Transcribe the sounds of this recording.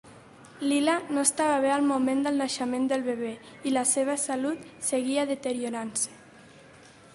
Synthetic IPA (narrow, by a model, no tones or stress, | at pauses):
lilanoest̪aβəβ̞ealˠmumend̪əlˠnaʃəmẽnd̪əlˠβeβe | iləseβ̞əsalut̪seɣiəðət̪əɾioɾansə̥